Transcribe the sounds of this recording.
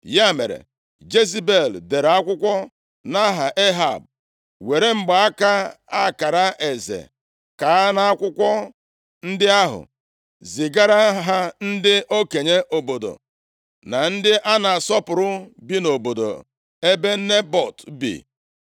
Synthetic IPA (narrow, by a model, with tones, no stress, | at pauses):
ja˦mḛ˨ɾḛ˨ | d͡ʒe˦zi˦be˨lde˨ɾa˦kʷʊ˦kʷɔ˦ | na˦ɦa˨ʔe˦ɦa̰˨b̚ | we˨ɾe˦ŋ͡m̩˦ɡ͡ba˨˦a˦ka˦a˦˨ka˨ɾa˦ʔe˨zḛ˨ | ka˨a˦na˦a˦kʷʊ˦kʷɔ˦ | n̩˦dɪ˦a˦ɦʊ̰˨ | zɪ˨ɡa˦ɾa˦ɦa˦n̩˦dɪ˦ʔo˦ke˨ɲe˦ʔo˨bo˨do̰˨ | na˨n̩˦dɪ˦ʔa˦na˨a˨sɔ˦pʊ˨ɾʊ˦bi˦no˨bo˨do̰˨ | e˦be˦ne˦bɔ˨tbḭ˨